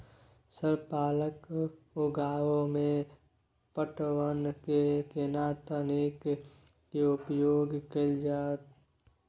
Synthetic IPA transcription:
səɾpaːlək | ʊɡaːwõmẽ | pəʈwənkekenaːt̪ənik | keʊpjoːɡkəld͡ʒaːt̪

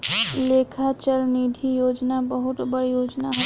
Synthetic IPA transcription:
lekʰat͡ʃəlnid̪ʱijoːd͡ʒnabəɦʊt̪bəɽijoːd͡ʒnaɦ

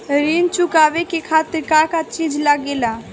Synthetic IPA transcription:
ɾint͡ʃukaːʋekekʰaːt̪ɪɾkakat͡ʃid͡ʒlaɡela

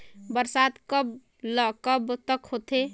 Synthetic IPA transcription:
bəɾsat̪kəb | ləkəbt̪əkɦot̪e

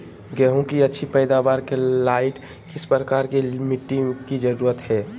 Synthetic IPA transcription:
ɡɛɦũkiətːʃʰipɛɪd̪abaːɾkelaːɪʈ | kɪspɾɾəkaːɾkelmiʈikid͡ʒəɾuːɾət̪ɦɛː

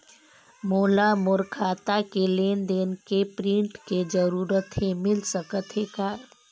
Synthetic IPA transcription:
moːlamoɾkʰaːt̪akeleːnd̪eːnkepɾĩɳʈked͡ʒəɾuːɾət̪ɦemɪlsəkət̪ɦekaː

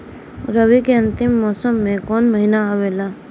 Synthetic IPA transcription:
ɾəʋikeɐ̃nt̪ɪmːɔːsəmːẽkɔːnməɦinaaʋelaː

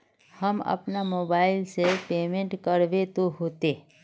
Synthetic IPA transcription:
həmɐ̰pnamoːbaːɪlsepeːmẽɳʈkəɾʋet̪oɦoːt̪e

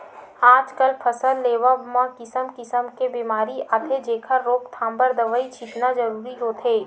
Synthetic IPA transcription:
aːd͡ʒkəlpʰɐsəlːeːʋəmãkɪsəmkɪsəmkebiːmaːɾiʔat̪ʰed͡ʒeːkʰəɾːoːkt̪ʰãːmbəɾd̪ɐʋəit͡ʃʰɪt̪nazɐɾuːɾiɦoːt̪ʰɦeː

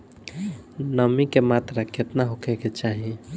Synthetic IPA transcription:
nəmikemat̪ɾakʰet̪naɦokʰɛket͡ʃaɦi

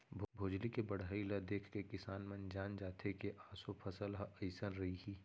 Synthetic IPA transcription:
bbʱoːd͡ʒlikebɐɽ̤aːilɐd̪eːkʰkekɪsaːnmɐnd͡ʒaːnd͡ʒaːt̪ʰekeʔaːsopʰɐsəlɦəɪsənɾɐɦiɦiː

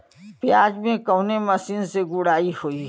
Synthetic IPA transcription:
pjaːd͡ʒmẽkəʊnemɐsiːnseɡʊɽaːihoi

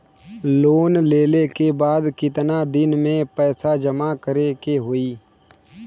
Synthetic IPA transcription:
loːnleːlekebaːd̪kɪt̪nad̪ɪnmẽpɛːsad͡ʒɐmakəɾekeɦoiː

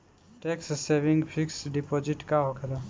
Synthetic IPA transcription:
ʈeksseːʋɪ̃ŋɡpʰɪksɖipoːd͡ʒɪʈkaɦokela

